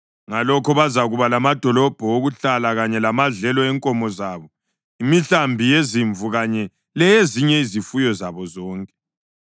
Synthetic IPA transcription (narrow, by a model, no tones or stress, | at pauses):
ŋalɔkʰɔβazaɣuβalamad̥ʱɔlɔb̥ʱɔoɣuɬalaɣaɲɛlamaɮɛlɔɛŋkʼɔmɔzaːβɔ | imiɬambʱijeziɱvuɣaɲɛ | lɛjeziɲɛizifujɔzaβɔzɔːŋkʼɛ̥